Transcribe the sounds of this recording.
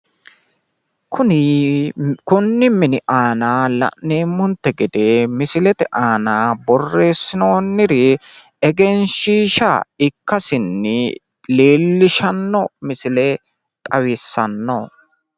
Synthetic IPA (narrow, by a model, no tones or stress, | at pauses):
kʰʊnɪ | kʊnːɪmɪnɪʔaːnaːlɐ̰ʔneːmːʊnt̪ːɛɡɛd̪eːmɪsɪlɛt̪ɛʔaːnaːbɔrːe̞ːsːɪno̞ːnːɪɾɪ | ɛɡɛnʃiːʃɐ̰ɪkːɐsɪnːɪ | le̞ːlːɪʃɐnːɔmɪsɪlɛ | t̪ʼɐwɪsːɐnːo